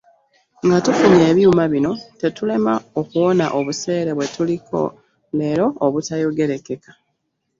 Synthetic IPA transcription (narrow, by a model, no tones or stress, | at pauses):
ŋɡatufuɲe̞ːβjumaβino̞te̞tule̞maokuwo̞naʔo̞βuse̞ːɾe̞βwe̞tuliko̞̰ | le̞ɾo̞ːβutajoɡe̞ɾe̞ke̞kḁ